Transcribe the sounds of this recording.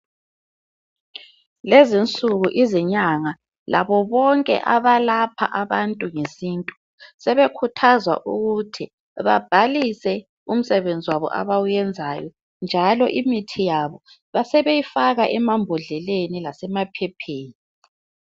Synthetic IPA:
lezint͡sʼuɣuʔiziɲaŋa | lʔa̰βɔβɔŋkʼɛ̰ʔaβalapʰa̰ʔaβantʼuŋesiːntʼu | sɛβekʰutʰazwa̰ʔuɣutʰi | βa̰b̥ʱalisɛ | um̩sɛβend͡zʱiwaβɔ̰ʔa̰βawujɛnd͡zʱajɔ | nd͡ʒʱalɔ̰ʔimitʰijaβɔ | βasɛβejifaɣaʔɛmambʱɔɮɛlenilasɛmapʰɛpʰeːni

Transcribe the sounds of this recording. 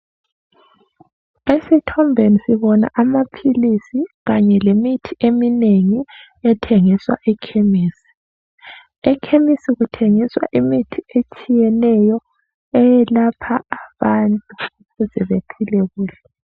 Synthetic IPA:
esitʰɔmbʱenisiβɔna̰ʔamapʰilisiɣaɲɛlemitʰiʔemineŋi | ɛtʰeŋiswa̰ʔɛkʰemiːsi̥ | ɛkʰemisiɣutʰeŋiswa̰ʔimitʰiet͡ʃʼijɛnɛjɔ | ɛjɛlapʰaːβantʼuuɣuzɛβepʰilɛɣuːɬɛ

